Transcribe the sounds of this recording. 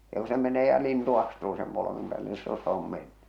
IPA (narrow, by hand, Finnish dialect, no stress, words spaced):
jɑ ku se meneː jɑ lintu ɑstuː sem polokimĕm̆ pæːlːe niː silːo se om menːy